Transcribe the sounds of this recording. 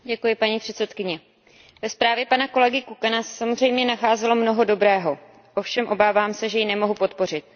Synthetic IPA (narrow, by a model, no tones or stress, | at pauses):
ɟɛkujɪpaɲipr̝̥ɛt̪sɛt̪kɪɲɛ | vɛspɾaːvjɛpanako̞lɛɡɪkukanasɛ̥samozr̝ɛjmɲɛnaxaːzɛlo̞mno̞ɦo̞do̞bɾɛːɦo̞ | ʔo̞fʃɛmʔo̞baːvaːmsɛʒɛjɪnɛmo̞ɦupo̞t̪po̞rɪt̪̚